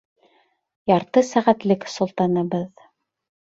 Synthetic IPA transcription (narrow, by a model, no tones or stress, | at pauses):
jɑɾt̪ɤsæʁæt̪lɘksŏlˠt̪ɑnɤbɤð